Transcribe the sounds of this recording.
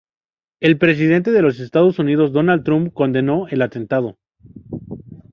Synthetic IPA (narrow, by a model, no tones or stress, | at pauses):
e̞lpɾe̞s̬ið̞e̞nt̪e̞ðe̞lo̞s̬e̞st̪að̞o̞sunið̞o̞zd̪o̞nal̚t̪ɾumpko̞nd̪e̞no̞e̞lat̪e̞nt̪að̞o̞